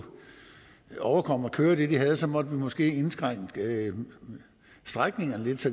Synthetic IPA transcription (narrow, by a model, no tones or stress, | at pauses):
ɒʊɐkʰɒ̽m̰ɒkʰøːɐd̥e̝d̥iɦæð̞̩ˠəsɒ̽mɒ̽d̥əʋimɒ̽sɡ̥e̝̰ːe̝nsɡ̥ʁaŋ̰̥ | sd̥ʁaɡ̥ne̝ŋɐnəle̝d̥sɒ